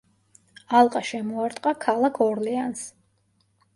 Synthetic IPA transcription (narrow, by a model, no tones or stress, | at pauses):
alˠqʼaʃɛmɔaɾt̪ʼqʼakʰalˠakʰɔɾlɛans